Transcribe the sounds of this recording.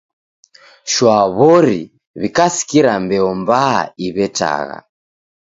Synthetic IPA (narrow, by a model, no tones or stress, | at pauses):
ʃwaβɔɾḭ | βikasi̥kiɾambɛɔmba̰iβɛta̰ɣa̰